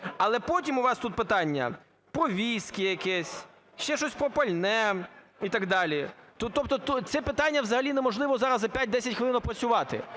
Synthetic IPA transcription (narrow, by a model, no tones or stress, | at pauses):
ɐlˠɛpɔtʲimʊʋɑst̪ut̪̚pɪt̪ɑnʲːɐ̰ | pɾɔʋʲiskɪjɐkɛsʲ | ʃt͡ʃɛʃɔsʲpɾɔpɐlʲnɛ | it̪ɐɡd̪ɑlʲit̪ut̪ɔp̚t̪ɔt̪ut͡s̪ʲɛpɪt̪ɑnʲːɐʋzɐɦɐlʲinemɔʒlˠɪʋɔzɑɾɐzɐpʲat̚ʲd̪ɛsʲɐtʲxʋɪlˠɪnɔwpɾɐt͡sʲʊʋɑt̪ɪ̰